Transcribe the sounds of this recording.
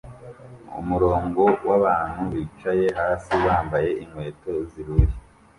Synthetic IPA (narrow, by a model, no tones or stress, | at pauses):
ṵmuɾo̞ːŋɡo̞waβaːn̥huβit͡ʃaje̞ɦaːsiβaːmbaje̞ʔiŋwe̞ːto̞ziɾuɾi